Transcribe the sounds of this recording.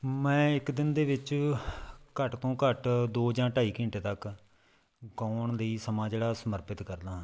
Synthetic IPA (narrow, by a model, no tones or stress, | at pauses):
mɛ̃ːɪkd̪ɪnd̪eːʋɪt͡ʃ | kəʈt̪õːkəʈd̪oːd͡ʒãːʈaːiːkɪɳʈeːt̪ək | ɡaːɳleiːsəmaːd͡ʒeːɽaːsəməɾpɪt̪kəɾd̪ãː